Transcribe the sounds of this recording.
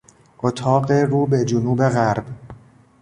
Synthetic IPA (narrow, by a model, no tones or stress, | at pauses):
ʔot̪ʰɒːɢeruːbe̞d͡ʒonuːbe̞ɣæɾb